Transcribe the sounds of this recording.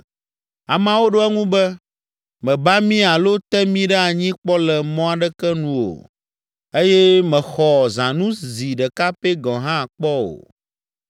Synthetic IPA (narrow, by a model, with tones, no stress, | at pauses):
a˨mã˨wo˦ɖo˦ɛ˦ŋũ˦bɛ˦ | mɛ̃˨ba˦mĩ˦a˨lo˦t̪ɛ˦mĩ˦ɖɛ˦a˨ɲĩ˦k͡pɔ˦lɛ˨mɔ̃˦a˨ɖɛ˦kɛ˦nũ˦o̰˨ | e˦jɛ˦mɛ̃˨xɔ˨zã˨nũ˦zi˨ɖɛ˨ka˦pe˦ɡɔ̃˨ɦã˦˨k͡pɔ˦o̰˨